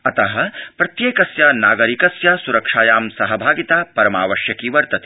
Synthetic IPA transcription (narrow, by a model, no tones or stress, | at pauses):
ɐt̪ɐɦɐ̆pɾɐt̪jeːkɐsjaːnaːɡɐɾikɐsjaːsuɾɐkʂaːjaːmsɐɦɐbʱaːɡit̪aːpɐɾɐmaːʋɐʃjɐkiʋɐɾt̪ɐt̪i̥